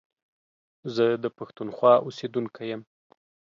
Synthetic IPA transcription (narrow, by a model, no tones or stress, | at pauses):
zəd̪əpaxt̪unxwɑʔosed̪unkʰajəm